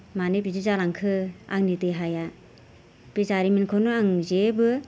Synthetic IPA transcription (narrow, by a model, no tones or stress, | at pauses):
manepizizalaŋkʰɯa̰ŋniteɦaja | pizaɾiminkʰonɯaŋzebɯ